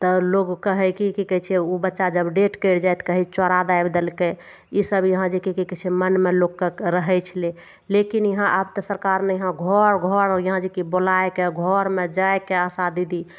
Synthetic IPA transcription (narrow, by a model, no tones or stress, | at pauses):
t̪ɔloɡkəɦɛkikikət͡ʃʰɛubətːʃad͡ʒəbɖeʈkəɽd͡ʒajt̪kəɦit͡ʃɔɾad̪ajbd̪elke | isəbjəɦãd͡ʒikikikət͡ʃʰɛmənmelokːeɾəɦɛt͡ʃʰəle | lekinjəɦãʔəbt̪əsəɾkaɾmejəɦãɡʱɔɾɡʱɔɾjəɦãd͡ʒikibolajkeɡʱɔɾmed͡ʒaekeasad̪id̪i